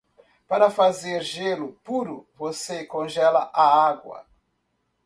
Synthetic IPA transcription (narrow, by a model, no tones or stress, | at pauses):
paɾɐfazeɾʒelʊpuɾʊvosekõʒɛlɐʔaaɡwɐ̰